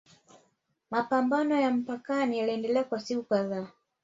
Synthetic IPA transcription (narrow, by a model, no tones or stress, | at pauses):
mapambanɔjam̩pakanijaliɛndɛlɛakwasikukaðaː